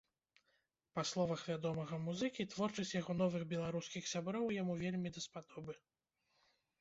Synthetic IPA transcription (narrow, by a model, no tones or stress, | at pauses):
paslˠɔvɐxvʲad̪ɔmɐɣɐmuzɨkʲit̪vɔrt͡ʂɐsʲt͡sʲjaɣɔn̪ɔvɨɣbʲɛlˠaɾuskʲixsʲabɾɔwjamuvʲelʲmʲid̪ɐspad̪ɔbɨ